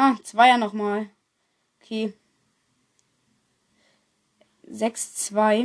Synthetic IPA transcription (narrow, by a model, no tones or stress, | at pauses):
ʔaːt͡sv̥aɪanɔχmaːl | okʰeː | zɛkst͡sv̥aɪ